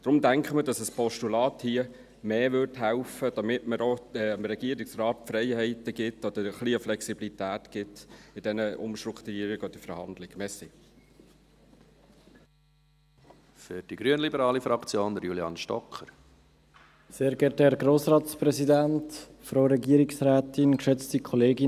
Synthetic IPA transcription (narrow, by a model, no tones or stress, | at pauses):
d̥ɾʊmdæŋkχəmədɑsəspɔʃtulɑːthiə | meːʋʏɾthælfəd̥ɑmɪtməɾoɛəmɾɛɡiəɾɪksrɑːt̚fɾɛɪhɛɪtəɡ̥ɪtːɔd̥̪əɾəχliəflɛksibilitæːtɡ̥ɪtɪd̥ɛnəʊ̰mʃtɾʊkt̪uɾiːɾɪɡɔd̥̪əfəɾhɑ̰nd̪lɪɡ̥mɛsi | fʏɾd̥iɡɾyənlibəɾɑːlifɾɑkt͡sjoːnd̪əɾjuljɑnʃtɔ̰kχəɾ | seːɾɡɛːtɛɾɡɾoːsɾɑːt̪spɾɛsidæntfɾoʊɾɛɡiːəɾɪksɾæːtɪnkʃɛt͡stikʰɔleːɡɪ